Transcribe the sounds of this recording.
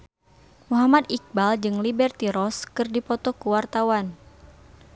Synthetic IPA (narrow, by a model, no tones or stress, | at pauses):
muɦamad̪ik̚bald͡ʒɨŋlibɛrt̪iɾɔskɨrdipɔt̪ɔkuwart̪awan